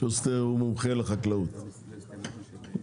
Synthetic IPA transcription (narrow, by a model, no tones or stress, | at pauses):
ost̪eumumχeleχaklaut̪